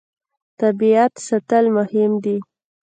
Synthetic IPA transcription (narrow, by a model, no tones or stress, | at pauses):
t̪abiat̪sat̪əlmʊhɪmd̪i